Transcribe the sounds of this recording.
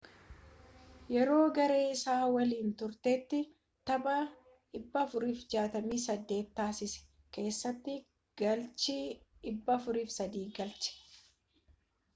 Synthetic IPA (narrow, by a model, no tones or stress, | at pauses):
jɛɾo̞ːɡɐɾe̞ːɪsaːwɐliːnt̪ʊɾt̪eːt̪ːɪ | t̪ɐbɐ | ɪbːɐfʊɾiːfd͡ʒaːt̪ɐmiːsɐd̪ːe̞ːt̪ːaːsɪsɛ̥ | ke̞ːsːɐt̪ːɪ | ɡɐlt͡ʃɪɪbːɐːfʊɾiːfsɐd̪iːɡɐlt͡ʃɛ̥